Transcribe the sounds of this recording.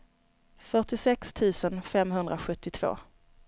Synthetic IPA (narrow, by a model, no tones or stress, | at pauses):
fœʈɪsɛkst̪ʰʉ̟ːsənfɛmɦɵnd̪ɾʔaɧɵt̪ːɪt̪ʰv̥o̰ː